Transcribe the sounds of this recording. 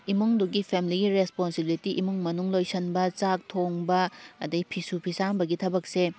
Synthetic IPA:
imuŋduɡipʰemiliɡiɾesponsibilitiʔimuŋmɐnuŋlojsɐnbɐt͡ʃak̚tʰoŋbɐɐdɐjpʰisupʰisanbɐɡitʰɐbɐk̚se

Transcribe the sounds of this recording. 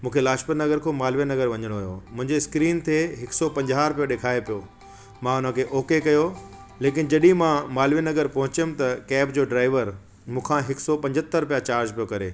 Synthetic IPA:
mũːkʰelaːʃpəɾnɐɡəɾkʰomaːlʋienɐɡəɾʋɐ̃ɲəɽ̃oɦʊjo̰mʊ̃ɦɪ̃ɲd͡ʑeskɾiːnt̪ʰeɦɪksɔpɐ̃ɲd͡ʑaːɾʊp̬ijoɗeːkʰaːepijoː | mãʊn̤ə̃kʰeːʔoːkekɐjo | leːk̬ɪnɪ̆d͡ʑɐɗĩmãmaːlʋienɐɡəɾpɐɦʊ̃t͡ɕəmɪ̆t̪ɐkɛːpd͡ʑoːɖɾaːɪʋəɾ | mũːkʰãɦɪksɔpɐ̃ɲd͡ʑʱət̪ːəɾʊpijat͡ɕaːɾd͡ʑpijokɐɾḛː

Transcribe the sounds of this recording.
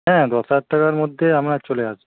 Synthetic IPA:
ɦɛ̃d̪ɔsaʈʈakaɾmod̪ʱːeamɾat͡ɕoleat͡ʃʰe̥

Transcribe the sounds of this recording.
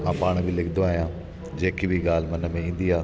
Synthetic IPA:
ãːpaːɽ̃bʱilɪkʰd̪oaːɦijãː | d͡ʒeːkibʱiɠaːl̤mɐnəmẽĩːn̆d̪iaː

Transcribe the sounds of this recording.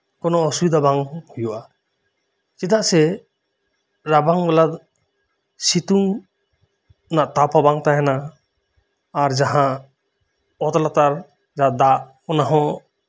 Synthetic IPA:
kɔnɔɔswid̪abaŋhujuʔa | t͡ʃit̪aʔsɛ | ɾabaŋbɛlad̪ | sit̪uŋ | naʔt̪apʰabaŋt̪aɦɛna | ɾd͡ʒaɦãʔ | ɔt̪lat̪aɾ | d͡ʒaʔd̪aʔ | ɔnaɦɔ̃

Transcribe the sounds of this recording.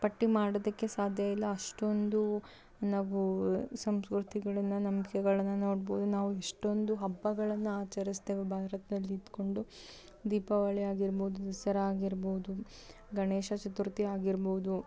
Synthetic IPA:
pɐʈːimaːɽod̪ɐkːe̞saːd̪ʱjɐilːɐɐʂʈo̞nd̪u | naːʋusɐmskɾut̪ʰiɡɐɭɐnːɐnɐmkɛɡɐɭɐnːɐno̞ːɽboːd̪unaːʋueʂʈo̞nd̪uɦɐbːɐɡɐɭɐnːuaːt͡ʃɐɾist̪e̞ːʋebʱaːɾɐt̪ɐd̪ɐlːiːd̪ko̞ɳɖu | d̪iːpɐʋɐɭɛjaːɡiɾboːud̪ud̪ɐsɐɾɐaːɡiɾboːd̪u | ɡɐɳeːʃɐt͡ʃɐt̪uɾt̪iaːɡiɾboːud̪u

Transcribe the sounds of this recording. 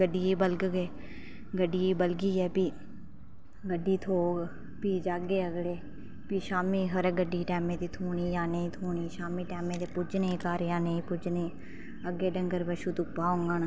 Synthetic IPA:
ɡəɖiːiːbəlɡɡeː | ɡəɖiːibəlɡiːɛːpiː | ɡəɖiːt̪ʰoːɡ | piːd͡ʒaɡeːəɡɽeː | piːʃaːmiːɦəɾɡəɖːiːʈɛːmẽːt̪iːt̪ʰuːniːjaːnəĩːt̪ʰuːɳiːʃaːmiːʈɛːmẽːt̪eːpʊd͡ʒnẽːkaːɾjãːnəĩːpʊd͡ʒneː | əɡeːɖəŋɡəɾbəʃuːt̪ʊkpaːʊ̃ŋɡaːnː

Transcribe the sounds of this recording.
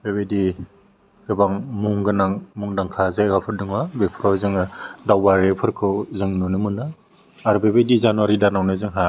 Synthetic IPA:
bebedi | ɡ̥ɯbaŋmuŋɡɯnaŋmuŋdaŋkʰazaɡapʰɯɾdɯŋwabepʰɾɔwzɯŋɯdawbaɾepʰɯɾkʰɯwzɯŋnunɯmɯnɯ | aɾubebedizanuwaɾidanawnɯzɯŋɦa

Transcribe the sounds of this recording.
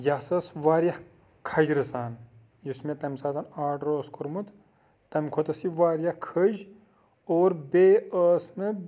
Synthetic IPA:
jɐsɐsʋaːɾjɐh | kʰɐd͡ʒɾɨsaːn | jusmʲet̪ɐmsaːt̪ɐnaːʈɾoːskoɾmut̪ | t̪ɐmʲkʰot̪ɐsiʋaːɾjɐhkʰəd͡ʒ | oːɾbeːəːsnɨ

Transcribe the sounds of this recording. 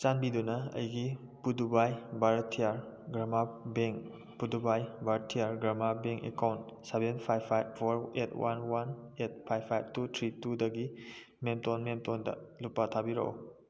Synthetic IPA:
t͡ʃanbidunɐɐ̰jɡi | pudubajbaɾtʰijaɾ | ɡɾamabeŋ | pudubajbaɾtʰijaɾɡɾamabeŋkḛkawntsebenpʰajbpʰajb̚pʰoɾetwʔa̰nwanet̚pʰajbpʰajb̚tutʰɾitudɐɡi | memtonmemtondɐ̰lupːatʰabiɾo̰o̰

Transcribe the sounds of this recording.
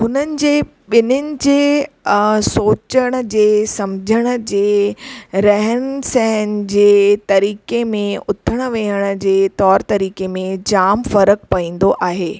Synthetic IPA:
ɦʊnənɪ̆d͡ʑeː | ɓɪnənɪ̆d͡ʑeː | soːt͡ɕəɽ̃ə̆d͡ʑeːsɐmd͡ʑʱəɽ̃ə̆d͡ʑeː | ɾɐɦənsɛɦən̆d͡ʑeːt̪ɐɾiːkemẽʊt̪ʰəɽ̃ə̆ʋeɦəɽ̃ə̆d͡ʑeːt̪ɔːɾt̪ɐɾiːkemẽd͡ʑaːmfɐɾək̚pɐĩːn̆d̪oʔaːɦeː

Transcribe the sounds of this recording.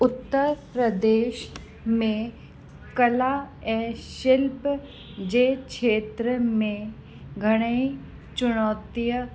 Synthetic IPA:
ʊt̪ːəɾpɾəd̪eːʃ | mẽ | kəlaɛːʃɪlp | d͡ʑeːkʃʰeːt̪ɾəmẽ | ɡʱɐɽ̃ei | t͡ʃʊɽ̃ɔːt̪ijə

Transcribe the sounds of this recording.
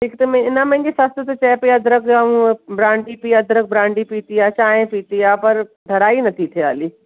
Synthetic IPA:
ʈʰiːkt̪omɛ̃ɪnãmɛ̃ɡesaːst̪et̪ot͡ʃɛːpeɐd̪ɾɐkd͡ʒaːũbɾãːɳɖipiːɐd̪ɾək̚bɾãːɳɖipiːt̪iaːt͡ʃaːɦẽpiːt̪ijaːpɐɾ | d̪ʱɐɾaːinɐt̪ʰit̪ʰea̰ːliː

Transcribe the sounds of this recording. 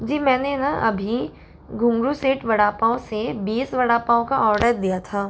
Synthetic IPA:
d͡ʒiːmɛ̃ːnenaʔɐbʱi | ɡʱʊ̃mɾuseːʈʋɐɽaːpaːõsebeːsʋɐɽaːpaːõkaɔːɾɖəɾd̪ijat̪ʰaː

